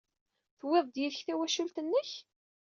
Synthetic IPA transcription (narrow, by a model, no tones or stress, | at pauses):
θweðˤd̪jiθçθæwæʃult̪ənːəç